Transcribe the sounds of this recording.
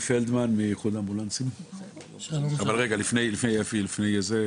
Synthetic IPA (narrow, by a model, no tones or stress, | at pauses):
feld̪manmijeχud̪ambulant͡sim | avalʁeɡalifnejlifnejefilifnejeze